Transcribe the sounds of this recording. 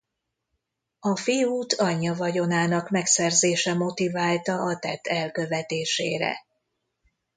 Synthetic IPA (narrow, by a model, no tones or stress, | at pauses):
ɒfijuːt̪ʰɒɲːɒvɒɟo̞naːnɒkmɛksɛrzeːʃɛmo̞t̪ivaːlt̪ɒɒt̪ɛt̪ʰːɛlkø̞vɛt̪eːʃḛːɾɛ̰